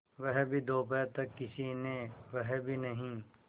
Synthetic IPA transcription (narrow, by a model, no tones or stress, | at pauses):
ʋɛɦbʱid̪oːpɛːɾt̪ɐkːɪsinẽʋəɦbʱinɐɦĩ